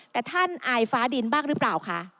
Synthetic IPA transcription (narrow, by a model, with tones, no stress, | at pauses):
t̪ɛː˨˩t̪ʰa˥˩nʔaː˧˩jfaː˨˦˥di˧nbaː˥˩ŋɾɯ˦˥pɾaː˨˩wkʰa˦˥ʔ